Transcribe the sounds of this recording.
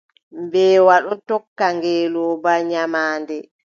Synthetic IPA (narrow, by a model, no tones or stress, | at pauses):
mbɛːwaɗɔtɔkːaŋɡɛːlɔːbaɲamaːndɛ